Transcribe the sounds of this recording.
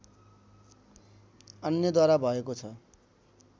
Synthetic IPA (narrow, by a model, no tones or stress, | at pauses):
ʌnjʌd̪waɾabʱʌekot͡sʰʌ